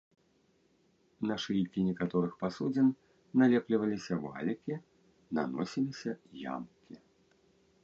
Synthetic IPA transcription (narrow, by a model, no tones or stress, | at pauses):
naʂɨjkʲinʲɛkat̪ɔɾɨxpasud͡zʲin | nalʲɛplʲivɐlʲisʲɐva̰lʲɐkʲi | na̰nɔ̰sʲilʲisʲɐja̰mkʲʰi